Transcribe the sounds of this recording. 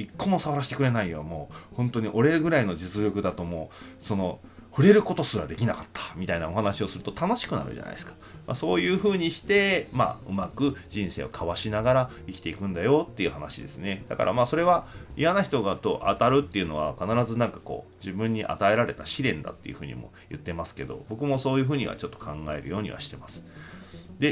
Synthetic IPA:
ikːo̞mo̞saβaɾaɕi̥t̪ekɯ̟ɾe̞naijamo̞ːhõ̞nt̪o̞ɲ̟iʔo̞ɾe̞ɡɯ̟ɾaino̞d͡ʑit͡sɨɾʲo̞kɯ̟d̪at̪o̞moːso̞no̞ɸɯ̟ɾe̞ɾɯ̟ko̞t̪o̞sɨɾad̪e̞kʲinakḁt̪ʰːḁmʲit̪ainao̞ɦhanaɕio̞sɨɾɯ̟t̪ot̪ano̞ɕi̥kɯ̟na̰ɾɯ̟̰ʑa̰na̰ḭesɨ̥kḁmʔa̰so̞ːjɯ̟ːɸɯ̟ːɲ̟iɕi̥t̪e̞ma̰ɯ̟̰makɯ̟d͡ʑĩɰ̃se̞̰ːo̞̰kʰaβaɕinaɡaɾa | ikʲi̥t̪e̞ikɯ̟̃nd̪ajo̞t̪ːe̞iɯ̟hanaɕid̪e̞sɨne̞d̪̥aka̰ɾʔa̰maːso̞ɾe̞βaijanaçi̥t̪o̞ɡat̪o̞ʔat̪aɾɯ̟t̪ːe̞iɯ̟no̞β̞a̰kanaɾazɨnãŋkḁko̞̰ːd͡ʑibɯ̟̃ɲ̟ːiʔa̰t̪ae̞ɾaɾe̞t̪aɕiɾẽ̞nd̪a̰t̪ːe̞jɯ̟ɸɯ̟ːɲ̟ḭmo̞̰jɯ̟t̪ːe̞masɨ̥ke̞d̪o̞̰bo̞kɯ̟mo̞so̞ːjɯ̟ːɦɯ̟ːɲḭβa̰t͡ɕo̞t̪ːo̞̥kʰãŋɡae̞ɾɯ̟jo̞ːɲ̟ḭβa̰ɕi̥t̪e̞masɨ̥ | d̪e̞

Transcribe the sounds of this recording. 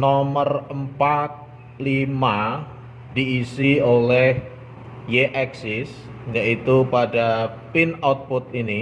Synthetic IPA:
nɔmərəmpat̪̚ | lima | diːsiolɛh | jeʔɛksɪs | jaʔit̪upada | pɪnawt̪̚pʊt̪̚ini

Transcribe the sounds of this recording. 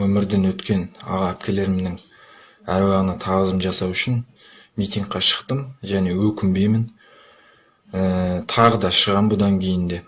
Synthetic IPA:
wɵmɪɾd̪ɪnwɵt̪kʲe̞nɑ̰ʁɑæp̚kʲe̞le̞ɾmnɪŋ | æ̰ɾwɑʁənɑt̪ʰɑʁəzəmʒɑsɑwʏʃɪn | mijt̪ijŋɡ̚qːɑʃə̥qt̪əmʒæne̞wɵkʲɪmbejmɪn | ət̪ʰɑʁəd̪ɑʃəʁɑnbʊd̪ɑŋkʲʰe̞jɪnd̪e̞

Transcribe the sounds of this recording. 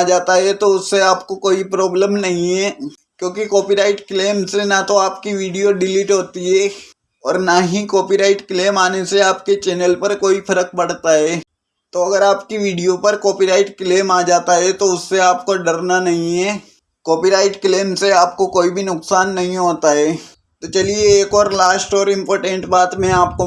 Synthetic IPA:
d͡ʒaːt̪aɦɛt̪oʊsːeaːpkokoːipɾɔːbləmnɐɦĩɦɛ | kjõːkikɔːpiɾaːɪʈkleːmsenat̪oaːpkiʋiːɖijoɖɪliːʈɦoːt̪iɦɛː | ɔːɾnaːɦĩkɔːpiɾaːɪʈkleːmaːneseaːpket͡ʃɛːnəlpɐɾkoːifɐɾək̚bɐɽt̪aɦɛː | t̪oɐɡəɾaːpkiʋiːɖijopɐɾkɔːpiɾaːɪʈkleːmaːd͡ʒaːt̪aɦɛt̪oʊsːeaːp̚koɖɐɾnanɐɦĩɦɛː | koːpiɾaːɪʈkleːmseaːp̚kokoːibʱinʊksaːnːɐɦĩɦoːt̪aɦɛː | t̪ot͡ʃɐlieːkɔːɾlaːsʈɔːɾɪ̃mpoːɾʈə̃ɳʈbaːt̪mẽaːp̚ko

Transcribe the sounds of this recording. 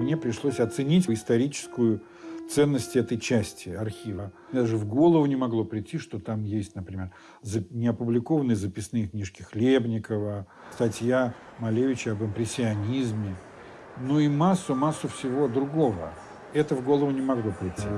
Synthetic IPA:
mnʲepɾʲɪʂlˠosʲɐt̪sɨnʲitʲɪst̪ɐɾʲit͡ɕɪ̥skʊjʊ | t̪sɛnːəsʲtʲɪɛt̪əjt͡ɕæsʲtʲɪɐrxʲivəmʲd̪aʐɨvɡo̞lˠəvʊnʲɪmɐɡlˠo̞pɾʲɪtʲːiʂt̪o̞t̪amjesʲtʲnəpɾʲɪmʲer | zənʲɪɐpʊblʲɪko̞vənɨjzəpʲɪsnɨjəknʲiʂkʲɪxlʲebnʲɪkəvə | st̪ɐtʲjamɐlʲejʊt͡ɕɪɐbɨmpɾʲɪsʲːɪɐnʲizmʲɪ | nuimasːʊmasːʊfsʲɪvo̞d̪ɾʊɡo̞və̰ | ɛt̪əvɡo̞lˠəvʊnʲɪmɐɡlˠo̞pɾʲɪtʲːi

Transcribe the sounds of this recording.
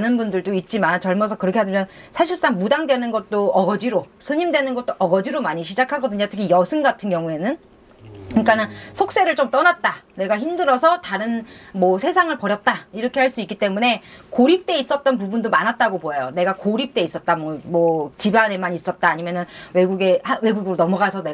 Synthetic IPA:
anɯnbundɯɭdoit̚t͡ɕ͈imant͡ɕʌɭmʌs̬ʰʌkɯɾʌkʰeɦadɯmjʌn | sʰaɕ̬ʰiɭs͈aŋmudaŋdwe̞nɯnɡʌt̚t͈oʌɡʌd͡ʑiɾosʰɯɲimdwe̞nɯnɡʌt̚t͈oʔʌɡʌd͡ʑiɾomaɲiɕʰid͡ʑakʰaɡʌdɯɲotʰɯɡʰijʌsʰɯnɡatʰɯnɡjʌŋue̞nɯn | ɯɲik͈anɯnsʰok̚s͈e̞ɾɯɭt͡ɕomt͈ʌnat̚t͈ane̞ɡaçimdɯɾʌsʰʌtaɾɯnmʌsʰe̞sʰaŋɯɭpʌɾjʌt̚t͈aiɾʌkʰe̞ɦaɭs͈uik͈it͈e̞mune̞koɾip̚t͈e̞is͈ʌt̚t͈ʌnp̬ubundomanɦat̚t͈aɡopoejone̞ɡakoɾip̚t͈e̞is͈ʌt̚t͈amʌmʌt͡ɕibane̞maɲis͈ʌt̚t͈aːɲimjʌnɯnwe̞ɡuɡe̞hawe̞ɡuɡɯɾonʌmʌɡasʰʌnea

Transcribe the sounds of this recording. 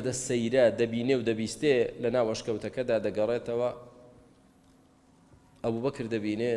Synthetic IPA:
d̪ɐsɐjɾɐd̪ɐbiːnewd̪ɐbiːst̪elɐnaːwɐʃkɐwt̪ʰɐkɐd̪aːd̪ɐɡɐret̪ɐwɐ | ʔɐbuːbɐkɨɾd̪ɐbiːne

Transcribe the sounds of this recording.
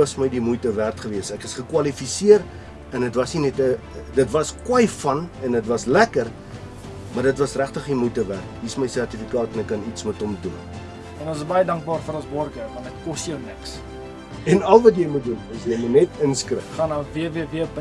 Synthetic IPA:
ɐsməjdimujtəværtχəviəsækəsχəkwɐlifisiəɾ | ɛndətvɐsninɛtə | dətvɐskwɐjfɐnɛnətvɐslækər | mɐrdətvɐsræχtəχimujtəværtɦisməjsærtifikɑːtɛnɛkːɐnitsmətɔmdṵn | ɛnɔnsəsbɐjədɐŋk̚bɑːrfəɾɔnsbɔrɡəvɐndətkɔstjəwnəks | ɛnɐlˠvɐt̬jəjmut̚dunɐsjəjmənɛtənskrə̰χɑnɑːviəviəviəpə

